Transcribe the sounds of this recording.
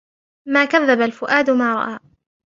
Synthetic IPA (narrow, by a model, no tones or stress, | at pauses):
maːkaðːabalfʊʔaːd̪ʊmaːɾˤɑ̰ʔaː